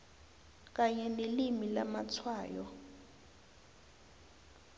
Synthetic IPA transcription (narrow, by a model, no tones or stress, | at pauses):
k̬aɲɛnelimilamat͡sʰwaːjɔ̰